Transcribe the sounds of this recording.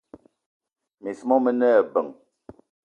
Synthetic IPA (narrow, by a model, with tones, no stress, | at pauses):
mi˨smɔ˦mə˦nɛ˦˨bə˨ŋ